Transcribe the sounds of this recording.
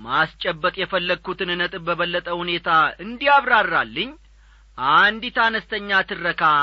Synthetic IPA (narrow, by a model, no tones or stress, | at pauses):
mast͡ʃʼːɛbːəkʼjɛfəlːəɡ̚kʰːut̪ɨnɨnət̪ʼɨbəβəlːət̪ʼəhune̞t̪ʰaɨnd̪ijaβɾarːalːɨɲː | ʔand̪it̪anəst̪ʰəɲːat̪ʰɨrːəkʰa